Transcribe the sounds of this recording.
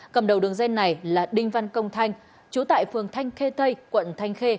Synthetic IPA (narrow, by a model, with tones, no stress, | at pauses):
kə˨˩mɗə˨˩wɗɨ˨˩əŋzɛ˧ŋnːa˨˩jlaː˨˩ɗï˧ŋ̟va˧nkə˧wŋ͡mt̪ʰa˧jŋ̟ | t͡ɕu˨˦t̪a̰ː˧˨jfɨ˨˩əŋt̪ʰa˧jŋ̟xe˧t̪ʰə˧jkwə̰˧˨nt̪ʰa˧jŋ̟xe˧